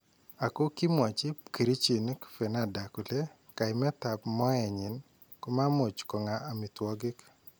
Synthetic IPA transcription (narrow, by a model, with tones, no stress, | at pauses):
a˨ko˦ki˦mwɔ˨t͡ʃɪ˦pki˨ɾi˦t͡ʃi˨n˦kfe˨na˦da˨kʊ˨le˦ | ka˨ɪ˨mɛ˦ta˨pmɔ˦ɛ˨ɲɪ˨n | kʊ˦ma˦mo˨t͡ʃkɔ˨ŋa˨a˨mi˨twɔ˦ɡɪ˦k